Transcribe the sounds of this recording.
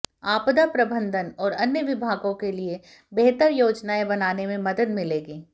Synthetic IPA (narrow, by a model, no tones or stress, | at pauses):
aːpd̪apɾɐbə̃nd̪ʱənɔːɾɐnjəʋɪbʱaːɡõkelie | beɦt̪əɾjoːd͡ʒnaẽbɐnaːnemẽmɐd̪əd̪mɪleːɡiː